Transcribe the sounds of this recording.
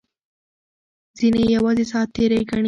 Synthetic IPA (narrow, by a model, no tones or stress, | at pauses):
zinejawɑzesɑt̪eɾajɡaɳ